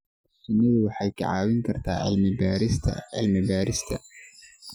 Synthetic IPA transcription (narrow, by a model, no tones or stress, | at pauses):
sʊnːɐðʊwɑħɑjkʰɐ̰ʕɑ̰ːwɪŋkʰɐrt̪ʰaːʕɪ̰lmɪbaːɾɪst̪ʰɐ̰ɪ̰lmɪbaːɾɪst̪ʰɐ